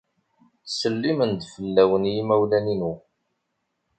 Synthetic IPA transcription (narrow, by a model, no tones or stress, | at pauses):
səlːimənd̪fəlːæwənjimæwlæninu